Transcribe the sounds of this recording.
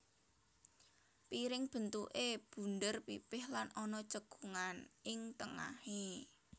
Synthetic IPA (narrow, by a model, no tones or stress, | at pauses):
piɾɪŋb̥ə̤nt̪ṵʔeb̥ṳnd̪ərpḭpɪhlanɔnɔt͡ʃəɡ̥uŋanɪŋt̪əŋa̰he